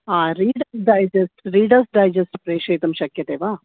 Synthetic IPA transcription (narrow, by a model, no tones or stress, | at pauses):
aːɾiːɖɐsɖɐjd͡ʒesʈɾiːɖɐɾsɖɐjd͡ʒesʈpɾeːʃɐjt̪ɐmʃɐkjɐt̪eːʋaː